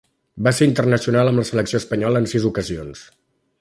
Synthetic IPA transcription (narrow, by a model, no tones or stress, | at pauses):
baseɾint̪ərnəsiunaləmləsələksijoəspəɲɔləːnsizukəzions